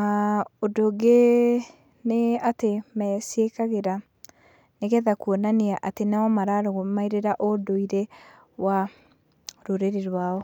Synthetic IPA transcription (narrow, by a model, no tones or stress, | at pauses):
aodoɡe | neatemɛsiekaɣeɾa | neɣɛðakuɔnaneaʔatenaɔmaɾaɾoɣomaiɾeɾaʔodoiɾe | wa | ɾoɾeɾeɾwaːɔ